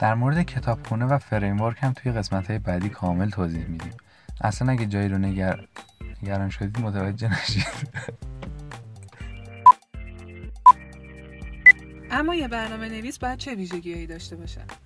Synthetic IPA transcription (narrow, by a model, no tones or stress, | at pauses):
d̪̥æɾmoɾed̪ecʰe̞t̪ʰɒːb̥xuːnevæfeɾejmvoɾkʰhæmt̪ʰuːje̞ɣe̞smæt̪hɒːjebæd̪iːkʰɒːme̞lt̪ʰoːzihmiːd̪iːm | ʔæ̰slænæɟæd͡ʒɒːjiɾone | eɡæɾɒːnʃod̪iːd̪mot̪ʰævæd͡ʒːe̞hnæʃid̪̥ | ʔæmːɒːjebæɾnɒːme̞ne̞viːsbɒːjæd̪̥̚t͡ʃʰe̞viːʒe̞ɟiːjɒːjiːd̪ɒːʃt̪e̞bɒːʃæ̰m̥